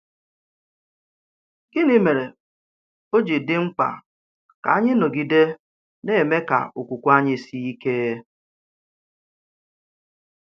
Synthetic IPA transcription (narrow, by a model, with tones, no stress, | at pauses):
ɡ̥ɪ˦nɪ˦me˨ɾe˨ | o˦d͡ʒi˨dɪ˦ŋ͡m̩˦k͡pa̰˨ | ka˨a˦ɲɪ˦no˨ɡi˨de˦ | ne˦˨me˦ka̰˨ʊ˨kʷu˨kʷu˦a˦ɲɪ˦si˦i˦ke˦